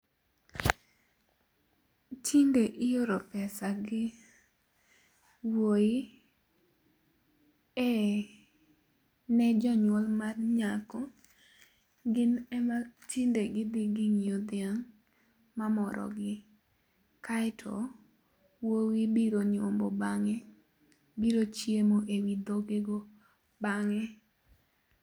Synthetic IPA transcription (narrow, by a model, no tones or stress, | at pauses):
tʰindeʔɪjoɾɔpɛsaɡɪ | woi | ɛ | nɛd͡ʒɔɲwɔlmarɲakɔ | ɡɪnɛmatʰindeɡɪd̪ɪɡɪŋjod̪ɪaŋ | mamɔɾʔɔ̰ɡɪ | kaɪtʰɔ̰ | wowibiɾoɲombɔbaŋɛ | biɾot͡ʃjemoʔewid̪oɡeɡo | baŋɛ